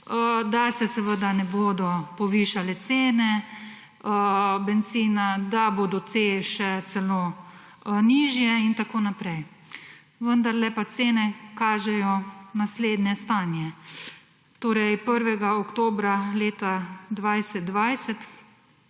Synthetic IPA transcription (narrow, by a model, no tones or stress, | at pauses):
əd̪asɛsɛʋəd̪anɛboːd̪ɔpɔʋiːʃalɛt̪seːnɛ | əbɛnt̪siːnad̪aboːd̪ɔt̪seʃɛsɛloː | niːʒjɛint̪akoːnapɾɛj | ʋənd̪aɾlɛpat̪seːnɛkaːʒɛjɔnasleːd̪nʲɛst̪aːnjɛ | t̪oːɾɛjpəɾʋɛɡaɔkt̪oːbɾaleːt̪ad̪ʋajsɛt̪̚d̪ʋajsɛt̪